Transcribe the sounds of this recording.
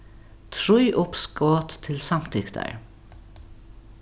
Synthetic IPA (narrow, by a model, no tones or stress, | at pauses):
t̪ʰɹʉʏʔʊpskoːt̪t̪ʰːɪlsɑmt̪ʰɪkd̪̥æ̰ɹ